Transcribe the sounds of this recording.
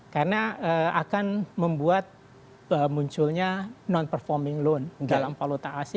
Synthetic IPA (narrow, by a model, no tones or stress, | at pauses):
karənaəa̰kanməmbuat̪̚ | əmuɲt͡ʃʊlɲanɔnpərfɔrmɪŋlondalampalot̪aʔːs